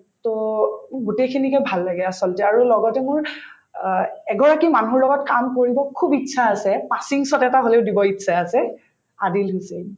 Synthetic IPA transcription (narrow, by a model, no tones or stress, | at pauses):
tɔɡutekʰinikɛbʱalːaɡɛasɔltɛaɹulɔɡɔtɛmʊɹ | ɛɡɔɹakimanuɹlɔɡɔtkamkoɹibɔkʰubitːsʰaːsɛpasiŋsɔtɛtaɦoleʊdibɔitsʰaasɛ | adilɦojsɛ